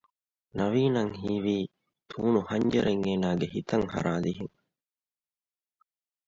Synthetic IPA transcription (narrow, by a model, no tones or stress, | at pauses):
nɐʋiːnɐŋɦiːʋiː | t̪ʰuːnuhɐɲd͡ʒɐɾeŋeːnaːɡehit̪ɐŋhɐ̰ɾaːd̪iɦiŋ